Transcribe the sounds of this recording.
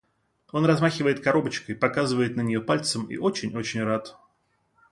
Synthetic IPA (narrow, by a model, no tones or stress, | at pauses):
o̞nrɐzmaxʲɪvəjɪt̪kɐɾo̞bət͡ɕkəjpɐkazɨvəjɪt̪nənʲɪjo̞palʲt̪səmḭʔo̞t͡ɕɪnʲo̞t͡ɕɪnʲrat̪